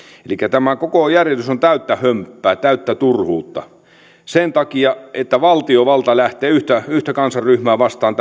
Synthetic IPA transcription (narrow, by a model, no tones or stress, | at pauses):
elikːæt̪æmækokojærjest̪ysont̪æyt̪ːæhømpːæːt̪æˑyt̪ːæt̪urhuːt̪ːɑ | sent̪ɑkiɑʔet̪ːæʋɑlt̪ioʋɑlt̪ɑlæht̪ˑeːyht̪æyht̪ækɑnsɑrryhmæːʋɑst̪ˑɑːnt̪